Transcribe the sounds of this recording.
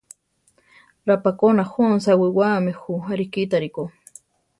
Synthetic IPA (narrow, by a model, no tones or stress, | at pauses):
ɾapakonaxons̬awiwamɪxuaɾikit̪aɾiko